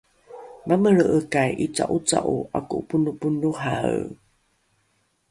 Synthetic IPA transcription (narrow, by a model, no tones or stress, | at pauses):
maməɭəʔəkajʔit͡sa̰ʔut͡sa̰ʔua̰kupunupunuɦa̰